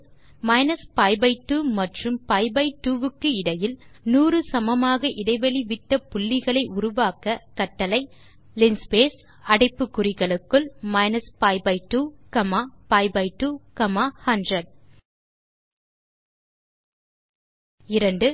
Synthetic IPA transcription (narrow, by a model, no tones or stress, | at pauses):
mɐɪnɐspɐɪbɐɪʈːuːmɐʈrɯmpɐɪbɐɪʈːuːʋɯkːɯɪɽɐjɪlnuːrɯsɐmɐmaːɣɐʔɪɽɐɪʋɐliʋɪʈːɐpʊlːɪɣɐɭɐɪʔʊɾʊʋaːkɐkɐʈːɐlɐɪ | lɪnspeːs | ɐɽɐɪpːɯkːʊrɪɣɐɭɯkːɯɭmɐɪnɐspɐɪbɐɪʈːuːkɐmaːpɐɪbɐɪʈːuːkɐmaːhɐndrɐɖ | ɪɾɐɳɖɯ